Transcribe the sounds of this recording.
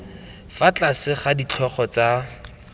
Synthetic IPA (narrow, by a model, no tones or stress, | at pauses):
fat͡ɬasɪχadit͡ɬʰɔχɔt͡sa